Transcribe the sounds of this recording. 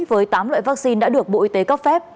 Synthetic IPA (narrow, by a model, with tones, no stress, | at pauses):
vəː˨˦jt̪aː˨˦mlwa̰ː˧˨vaː˦˥k̚si˧nɗa̰ː˧˥ɗɨ˨˩ək̚ɓṵ˧˨ʔi˨˦˩t̪e˨˦kə˦˥p̚fɛ˦˥p̚